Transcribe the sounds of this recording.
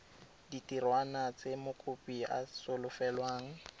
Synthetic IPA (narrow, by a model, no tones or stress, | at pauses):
ditʼirwanat͡sʼemʊkʼʊpʼia̰sʊlʊfɛlwaːŋ̩